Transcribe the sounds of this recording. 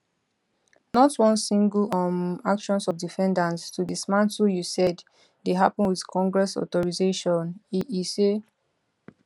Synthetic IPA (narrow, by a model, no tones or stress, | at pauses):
nɔtwɔ̃nsĩŋɡlɔmakʃɔ̃nsɔfdifɛ̃ndãnstudismãnsujusɛd | deɦapɔ̃nwið̥kʰɔ̃ŋɡɹɛsɔ̰tɔɹizeʃɔ̃nise